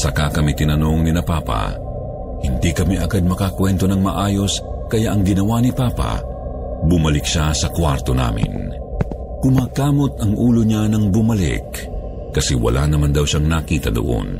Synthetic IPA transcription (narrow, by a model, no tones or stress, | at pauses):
sɐkakɐmit̪ɪnɐno̞ŋnɪnɐpaːpɐ̰ | hɪnd̪ikɐmiʔɐɡad̪̚mɐkakwɛnt̪o̞nɐŋmɐʔaːjo̞s | kɐjaʔɐŋɡɪnɐwanipaːpɐ̰ | bʊmɐlɪkʃasɐkwaɾt̪o̞na̰ːmɪ̰n | kʊmaːkaːmo̞t̪̚ɐŋʔuːloɲanɐŋbʊmɐlɪ̰kː | ɐsɛwɐ̰lʔa̰nɐmand̪ɐwʃaŋnakiːt̪ɐd̪o̰ʔo̞̰n